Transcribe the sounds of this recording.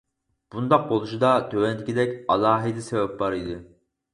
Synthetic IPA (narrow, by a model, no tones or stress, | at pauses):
b̥und̪ɑq̚bolˠuʃɨd̪ɑt̪ʰøwɛnd̪ɪkʲid̪ɛkʲɑlˠɑːɦid̪ɛsɛvɛp̚bɑɾid̪ɪ